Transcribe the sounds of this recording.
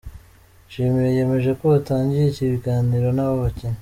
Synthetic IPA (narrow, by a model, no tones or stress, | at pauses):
ʃimijeje̞me̞ʒe̞ko̞ataːɲɟijeciβiɡaːniɾo̞naβoβaceɲe